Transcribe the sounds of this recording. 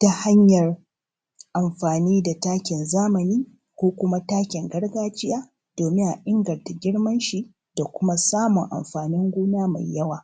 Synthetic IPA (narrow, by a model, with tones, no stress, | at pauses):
ta˦ha˦ɲjɐ˨r | ʔa˨mɸaː˨niː˦da˨taː˦kʲɪ˨nzaː˦mɐ˨niː˦ | kʷoː˦kʷʊ˦ma˦taː˦kʲɪ˨ŋɡɐ˦ɽɡaː˦t͡ʃɪ˦jaː˦ | d̥oː˨mɪ˦ŋʔa˨ʔɪ˦ŋɡɐ˨rta˨ɡʲɪ˦ɽmɐ˦nʃi˨ | d̥a˨kʷʊ˦ma˦saː˦mʊ˨ŋʔa̰˨mɸaː˨nɪ˦ŋɡʷuː˦naː˦ma˨jːɐ˦waː˨